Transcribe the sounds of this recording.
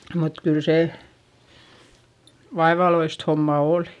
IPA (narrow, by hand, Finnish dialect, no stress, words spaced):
mut kyˑl se ʋɑeʋɑloist homːɑ oˑli̥